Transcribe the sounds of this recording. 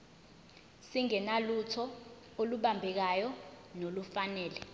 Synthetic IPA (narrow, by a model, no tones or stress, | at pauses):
siŋɛnalutʰɔ | oluɓambʱɛk̬ajɔ | nolufanɛːlɛ